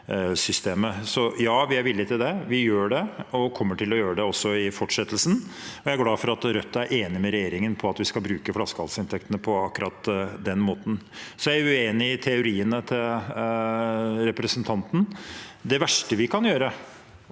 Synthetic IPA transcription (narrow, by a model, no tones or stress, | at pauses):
sʏst̪eːməsɔjɑːʋɪæɾʋɪlːɪt̪ɪld̪ɛʋɪjøːɖɛɔkʰɔmːəʈɪlːɔjøːɾəɖ̪ɛɔsːɔɪfɔʈʂɛt̪ːlsnɔjææɾɡlɑːfɔɾɑt̪ɾœt̪ːɑæɾʔeːnɪmɛɾɛjeːɾɪŋənpʰɔɑt̪ʋɪskɑlbɾʉːkəflɑskɑlsɪnt̪ʰɛkt̪ənəpʰɔɑkːɾɑt̪d̪ɛnmoːt̪n̩sɔjæʉeːnɪt̪ʰɛʊɾiːənət̪ʰɪl | ɾɛpɾɛsənt̪ʰɑnt̪n̩d̪ɛʋæʂʈəʋɪkʰɑnjøːɾə